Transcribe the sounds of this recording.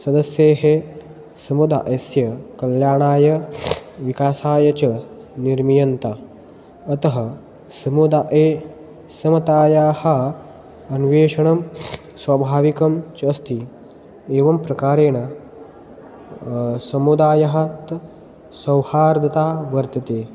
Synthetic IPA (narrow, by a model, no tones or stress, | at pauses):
sɐd̪ɐsjeːɦe | sɐmud̪a̰ʔɐsjɐkɐljaːɳaːjɐʋikaːsaːjɐt͡ʃɐ | niɾmijɐnt̪aː | t̪ɐɦɐ | sɐmud̪aʔeː | sɐmɐt̪aːjaːhɐ̆ | ɐnʋeːʂɐɳɐm | swaːbʱaːʋikɐmt͡ʃɐst̪i | eːʋɐmpɾɐkaːɾeːɳɐ | sɐmud̪aːjɐɦɐ̆t̪ | sɐwhaːɾd̪ʱɐt̪aːʋɐɾt̪ɐt̪eː